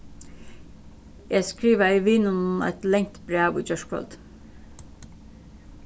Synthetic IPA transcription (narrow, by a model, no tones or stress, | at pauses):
jæskɾiːʋaiːʋiːnʉnɛ̰t̪lɛŋ̚t̪b̥ɾæːʋḭːd͡ʒœʃkɹɔ̰lt̪